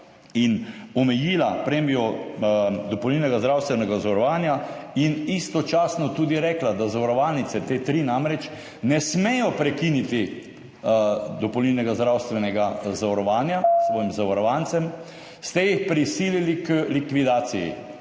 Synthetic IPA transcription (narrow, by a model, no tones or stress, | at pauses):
inɔmɛjiːlapɾemiɔ | d̪ɔpɔwninɛɡazd̪ɾawst̪ʋɛnɛɡazaʋɔɾɔʋaːnjainist̪ɔt͡ʃaːsnɔt̪uːd̪iɾɛklad̪azaʋɔɾɔʋaːlnit̪sɛt̪et̪ɾiːnamɾɛt͡ʃ | nɛsmɛjɔpɾɛkinit̪i | d̪ɔpowninɛɡazd̪ɾawst̪ʋɛnɛɡazaʋɔɾɔʋaːnjasʋɔːjimzaʋaɾɔʋant̪sɛm | st̪ɛjixpɾisiːlilikəlikʋid̪aːt̪sijḭ